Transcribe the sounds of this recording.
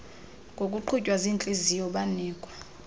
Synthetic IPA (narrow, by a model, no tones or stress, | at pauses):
ŋɡʱʼokʼuǃʰucʼwazint͡ɬʼezijɔɓaniːkʼwa